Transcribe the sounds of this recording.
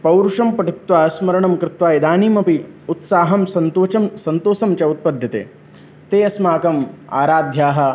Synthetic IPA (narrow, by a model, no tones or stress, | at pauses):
pɐwɾʂɐmpɐʈit̪ʋaːɐsmɐɾɐɳɐmkɾɪt̪ʋaːid̪aːniːmɐpiut̪saːɦɐmsɐnt̪oːt͡ʃɐmsɐnt̪oːsɐmt͡ʃɐut̪̚pɐd̪ʱjɐt̪ḛː | t̪eːɐsmaːkɐma̰ːɾaːd̪ʱjaːɦɐ̆